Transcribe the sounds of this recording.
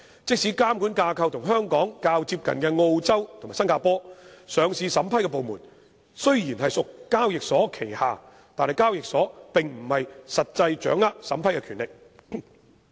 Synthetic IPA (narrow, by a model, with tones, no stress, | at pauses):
t͡sɪ˥k̚siː˨˥kaː˥mkuː˨˥nkaː˧kʰɐ˧wt̪ʰʊ˨˩ŋɦœː˥ŋkɔː˨˥ŋkaː˧wt͡siː˧p̚kɐ̰˨nkɛː˧ŋo˧wt͡sɐ˥wt̪ʰʊ˨˩ma˨˩sɐ˥nkaː˧pɔː˥sœː˨˧ŋsiː˧sɐ˨˥mpʰɐ˥jkɛː˧po˨wmuː˨˩n | sɵ˥ɥjiː˨˩nhɐ˨jsʊ˨kːaː˥wjɪ˨k̚sɔː˨˥kʰe˨˩jhaː˨˧ | t̪aː˨nhɐ˨˩jkaː˥wjɪ˨k̚sɔː˨˥pɪ˨ŋm̩˨˩hɐ˨jsɐ˨t̚t͡sɐ˧jt͡ʃœ̰ː˨˥ŋːaː˥k̚sɐ˨˥mpʰɐ˥jkɛ˧kʰyː˨˩nlɪ˨k̚